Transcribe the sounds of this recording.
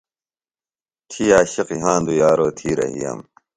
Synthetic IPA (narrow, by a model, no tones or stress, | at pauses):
t̪ʰijaːɕiqiɦãːnd̪ujaːɾoːt̪ʰiːɾɐ̰ɦḭja̰m